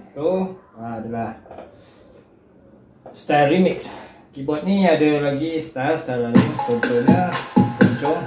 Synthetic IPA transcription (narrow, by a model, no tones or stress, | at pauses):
t̪o | ãadalah | st̪arimiks | kibɔt̪̚nĩadəlaɡist̪alst̪aɾaɾimiktont̪oɲəpont͡ʃɔŋ